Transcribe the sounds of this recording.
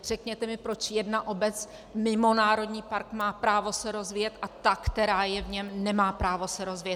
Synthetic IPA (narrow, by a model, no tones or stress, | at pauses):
r̝ɛkɲɛt̪ɛmɪpɾo̞t͡ʃjɛdnaʔo̞bɛt͡s | mɪmo̞naːɾo̞dɲiːpaɾkmaːpɾaːvo̞sɛɾo̞zvɪjɛt̪ʔat̪akt̪ɛɾaːjɛvɲɛmnɛmaːpɾaːvo̞sɛɾo̞zvɪjɛt̪